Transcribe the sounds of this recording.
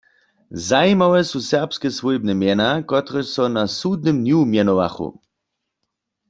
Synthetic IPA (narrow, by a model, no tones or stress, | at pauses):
zajmawɛsusɛʁpskɛsʋɔjbnɛmjɛnakɔt̪ʁɛsɔnasud̪̚nɨmnjumjɛnɔʋa̰χṵ